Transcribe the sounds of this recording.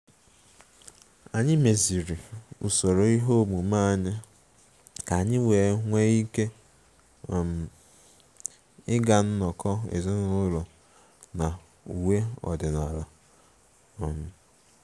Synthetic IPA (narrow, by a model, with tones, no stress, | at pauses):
a˨ɲɪ˦me˨zi˨ɾi˨ṵ˨so˨ɾo˨i˦ɦo˦mu˨ma˦˨ɲɪ˦ | ka˨ɲɪ˦we˨˦ŋʷe˦i˦ke˦˨ | m˨ | ɪ˦ɡa˨n̩˦nɔ˨kɔ˦ḛ˨zɪ˦n˦ʊ˦lɔ˨ | na˨ | u˨we˦ɔ̰˨dɪ˨na˨la˨ | m̩˨